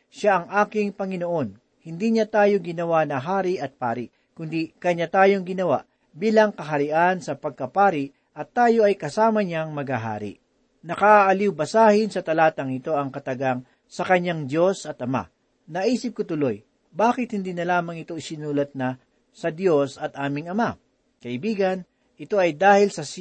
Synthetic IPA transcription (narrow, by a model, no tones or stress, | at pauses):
ʃaʔɐŋʔaːkɪŋpɐŋɪno̞ʔo̞n | hɪnd̪iɲat̪aːjoɡɪnɐwanɐɦaːɾiʔɐt̪̚pa̰ːɾɪʔ | kʊnd̪ikɐɲːat̪aːjo̞ŋɡɪnɐwa̰ʔ | biːlɐŋkɐɦɐɾɪʔansɐpɐɡ̚kɐpaːɾɪʔ | ʔɐt̪ːaːjo̞ɐjkɐsaːmɐɲaŋmɐɡhaɦa̰ːɾḭ | nɐkaʔːʔɐliwbɐsaːhɪnsɐt̪ɐlaːt̪ɐŋɪt̪o̞ʔɐŋkɐt̪ɐɡaŋ | sɐkɐɲaŋd̪jo̞sɐt̪ʔɐma̰ | nɐʔiːsɪp̚kot̪ʊloj | baːkɪt̪̚hɪnd̪iːnɐlaːmɐŋɪt̪o̞ɪsɪnuːlɐt̪̚nɐ | sɐd̪jo̞sɐt̪ʔaːmɪŋɐma | kɐʔɪbiːɡɐn | ʔɪt̪o̞ʔɐjd̪aːhɪlsɐs